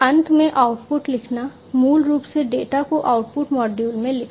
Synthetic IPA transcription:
ɐ̃nt̪ʰmẽʔaʊʈpʊʈlɪkʰna | muːlɾuːpseɖeːʈakoʔaːʊʈ̚pʊʈmɔːɖjuːlmẽlɪkʰ

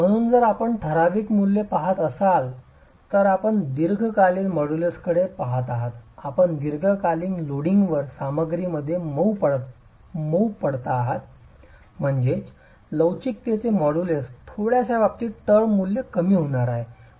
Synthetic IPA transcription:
m̤əɽ̃uːnd͡zəɾapəɳʈʰəɾaʋiːkmulːepaɦat̪əsal | t̪əɾapəɳd̪iɾɡʱkaliːlmɔɽuleskəɽepaɦat̪aɦat̪apəɳd̪iɾɡʱəkaliŋɡloɽiŋɡʋəɾsaməɡɾiməd̪ʱːjeməwpə | məwpəɽt̪aːɦat̪̚ | m̤əɳd͡zet͡ɕ | ləwt͡ɕik̚t̪et͡semɔɽulest̪ʰoɽjasaʋap̚t̪iːʈəɾmulːjekəmiːɦoɽ̃aɾaɦe

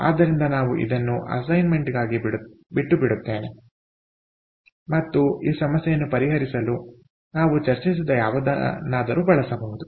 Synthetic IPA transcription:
a̰ːd̪ːɐɾind̪ɐnaːʋuʔḭd̪ɐnːuʔɐ̰sɐjnme̞ɳʈiɡaːɡi | biʈːubiɽut̪ːeːne̞ | mɐt̪ːuiːsɐmɐsjɛjɐnːupɐɾiɦɐɾisɐlu | naːʋut͡ʃɐɾt͡ʃis̬id̪ɐjaːʋɐd̪a̰naːd̪ɐɾubɐɭɐsɐbɐɡud̪u

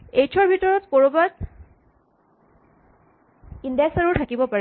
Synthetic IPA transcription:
ejt͡ʃʰɔɹbʱitɔɹɔtkoɹobat̚ | indaksaɹuɹtʰakibɔpaɹ

